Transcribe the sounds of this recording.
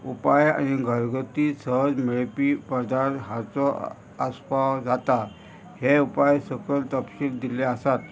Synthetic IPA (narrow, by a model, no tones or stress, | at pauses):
upaja̰ñiɡʱəɾɡət̪isəɦəd͡zmeɭpipəd̪aɾt̪ɦat͡sɔ | əspawd͡zat̪a | heupajsəkəlt̪əpɕild̪ileəsat̪